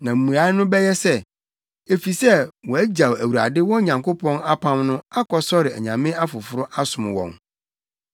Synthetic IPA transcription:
nã˨m̩˨mũ˨a˨˦nʊ̃˦bɛ˦jɛ˦sɛ˦ | e˨fi˨sɛ˦wɔ̃˨æ˦d͡ʑa˨wæ˨wu˨ɾa̰˨dɪ˦wɔ̃˦ɲã˨ŋko˦pʰɔ̃˦na˦pʰã˦mnʊ̃˦a˦kʰɔ˨sɔ˦ɾɪ˨æ̰˨ɲã̰˨mɪ̃˦a˦fʊ˨fʊ˦ɾʊ˦ʔa˦sʊ̃˨m˨wɔ̰̃˨n

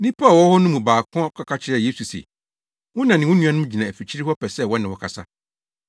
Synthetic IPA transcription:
nɪ̃˦pʰa˦˨wɔ˦hɔ˦nʊ̃˦mũ˨baː˨kʰɔ̃˦kʰa˨kʰa˦t͡ɕʰɪ˦ɾɛ˨je˦su˨sḛ˨ | wʊ̃˦nã˨nɪ̃˨wʊ̃˦nũ˦ã˦nʊ̃˦m˦d͡ʑi˨nã˨æ˨fi˨t͡ɕʰi˦ɾi˦hɔ˦pʰɛ˨sɛ˦˨wɔ˦nɪ̃˨wɔ˨kʰa˨sa̰˦

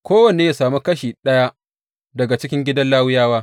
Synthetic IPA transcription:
kʷoː˦wɐ˨neː˦ja˨saː˨mu˦kɐ˦ʃiː˨ɗɐ˦ja˦ | dɐ˨ɡa˨t͡ʃɪ˦kʲɪ˦ŋɡʲɪ˦dɐ˦nlaː˦wʊ˦jaː˦waː˦

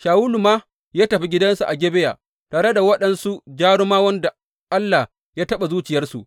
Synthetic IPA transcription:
ʃaː˨wuː˦lu˨maː˦ | jaː˦tɐ˨ɸi˦ɡʲɪ˦dɐ˦nsu˨ʔa˨ɡʲeː˦be˦ja̰ː˨ | taː˨ɽe˦da˨wɐ˦ɗɐ˨nsu˦d͡ʒaː˦ɽʊ˦maː˦wɐ˦nda˨ | ʔa˦lːa˨h | jaː˦tɐ˦ɓa˨zuː˦t͡ʃɪ˨jɐ˦rsu˨ʔ

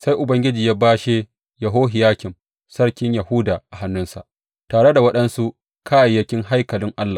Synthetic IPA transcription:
sa˦jʔʊ˨bɐ˦ŋɡʲɪ˦d͡ʒiː˨jaː˦baː˦ʃe˦ | jɐ˨ɦoː˦ɦɪ˨jaː˦kʲɪ˨m | sɐ˦ɽkʲɪ˦ɲjɐ˨hʊ˦daː˨ʔa˨ha˦nːʊ˦nsa̰˨ʔ | taː˨ɽe˦da˨wɐ˦ɗɐ˦nsu˦ʔ | kʰaː˦˨jɐ˦kʲɪ˦ŋɦa˦jkɐ˨lɪ˦ŋʔa˦lːa˨

